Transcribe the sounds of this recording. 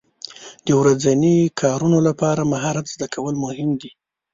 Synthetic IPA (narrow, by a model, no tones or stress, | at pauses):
d̪̥əwɾad͡zanikʰɑɾunolapɑɾamaɦɑɾat̪zd̪akʰawəlmʊhɪmd̪i